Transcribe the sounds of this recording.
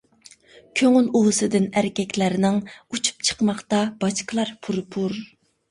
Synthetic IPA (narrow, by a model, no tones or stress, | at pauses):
kʲʰøŋylulˠɨsɨd̪ɪnæɾɪkʲɛkʲlæɾɪnɪŋut͡ʃʰu̥p̚t͡ʃʰə̥qmɑχt̪ɑb̥ɑʃqʰəlˠɑɾpʰuɾpʰuɾ